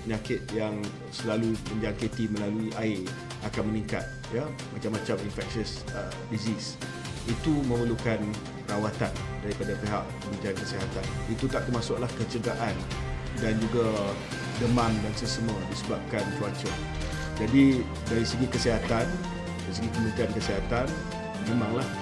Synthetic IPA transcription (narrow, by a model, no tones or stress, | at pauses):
pəɲakɪt̪̚jaŋ | səlaluməɲd͡ʒaŋket̪imə̃laluiʔae | akanməniŋka̰t̪̚ | ja | mat͡ʃamːãt͡ʃaminfɛk̚ʃəsə | dizis | it̪umə̃məlukan | rawat̪andaɾipadapeɦa̰ʔpəbənt̪ankəsiɦat̪anit̪ut̪aʔ̚t̪əmasʊk̚lahkət͡ʃəɡaʔan | dand͡ʒuɡa | dəmãndansəsəmuadisəbap̚kant͡ʃuat͡ʃa | d͡ʒadi | daɾisəɡikəsiɦat̪an | daɾisəɡikəmənt̪iankəsiɦat̪an | nəmãŋlah